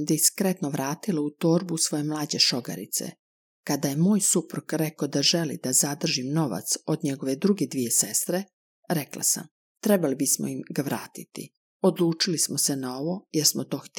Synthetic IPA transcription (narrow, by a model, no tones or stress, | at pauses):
d̪iskɾe̞t̪noʋɾaːt̪ilaut̪o̞ːɾbusʋo̞jemlˠaːd͡ʑe̞ʃo̞ɡa̰ɾḭt̪sḛ | kad̪aje̞moːjsupɾukɾekod̪aʒe̞lḭd̪azad̪r̩ʒimno̞ʋa̰t̪so̞d̪ɲe̞ɡo̞ʋe̞d̪ɾuɡe̞d̪ʋije̞sest̪ɾe | ɾekla̰sa̰m | t̪ɾebalibismo̰imɡaʋɾaːt̪it̪ḭ | o̞d̪lˠuːt͡ʃilismose̞naoʋo̞jeɾsmot̪o̞ːxt̪